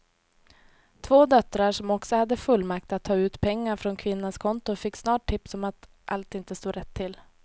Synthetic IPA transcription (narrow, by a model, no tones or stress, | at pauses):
t̪ʰvoːd̪œt̪ːɾaʂɔmɔksɔhad̪ːəfɵlːmak̚t̪at̪ʰːɑːʉ̟ːt̪pʰɛŋːaɾfɾɔnkʰvɪnːaskʰɔnt̪ʊfɪkːsnɑːʈʰːɪpsɔmat̪ | ʔalt̪ɪnt̪əst̪oːɾɛt̪ʰːɪl